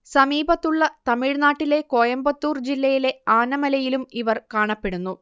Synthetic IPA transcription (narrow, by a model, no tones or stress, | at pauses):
sɐmiːbʱɐt̪ːuɭːɐt̪ɐmiɻnaːʈːile̞ko̞ːjɐmbɐt̪ːuːrd͡ʑilːɐjile̞aːnɐmɐlɐjilumiʋɐrkaːɳɐpːe̞ɽunːu